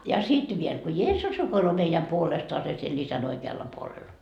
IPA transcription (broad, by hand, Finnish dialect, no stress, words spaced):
jɑ sit ʋiel ko jeːsːus rukoiloː meijæm puolestoɑse siel isæn oikeɑlːɑ puolelːɑ